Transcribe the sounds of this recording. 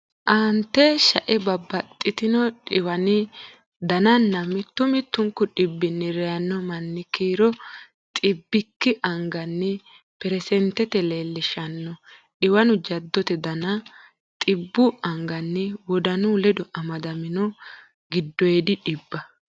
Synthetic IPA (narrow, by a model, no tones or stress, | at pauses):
ʔɐːnt̪ːɛʃɐʔɛbɐbːɐt̪ʼːɪt̪ɪnɔᶑɪwɐnɪ | d̪ɐnɐnːɐmɪt̪ːʊmɪt̪ːʊŋkːʊɗɪbːɪnːɪɾɛjɐnːɔmɐnːɪkiːɾɔ | t̪ʼɪbːɪkːɪʔɐŋɡɐnːɪ | pɛɾɛsɛnt̪ːɛt̪ɛleːlːɪʃɐnːɔ | ᶑɪwɐnʊd͡ʒɐd̪ːɔt̪ɛd̪ɐnɐ | t̪ʼɪbːʊɐŋɡɐnːɪwɔd̪ɐnulɛd̪ɔʔɐmɐd̪ɐmɪnɔ | ɡɪd̪ːɔjɛd̪ɪᶑɪbːɐ